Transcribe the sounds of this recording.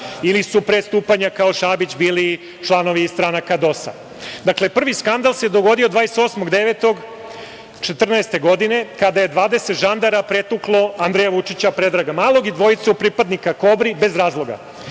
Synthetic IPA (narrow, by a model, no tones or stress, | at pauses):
ilisupɾest̪uːpaɲakao̞ʃabit͡ɕbiːli | t͡ʃlˠano̞ʋiːst̪ɾanakad̪o̞sa̰ | d̪akle̞pr̩ʋiskand̪alˠsed̪oɡo̞d̪io̞d̪vʋaːjeset̪o̞ːsmoɡd̪e̞ʋe̞t̪o̞ɡ | t͡ʂet̪r̩naest̪eɡo̞d̪ine̞kad̪aje̞d̪ʋaːd̪e̞set̪ʒand̪aɾapɾe̞t̪uklˠo̞and̪ɾejaʋut͡ʂit͡ɕapɾe̞d̪ɾaɡamaːlˠo̞ɡid̪ʋo̞it̪saupɾipad̪nikako̞bɾibe̞zɾaːzlˠo̞ɡa̰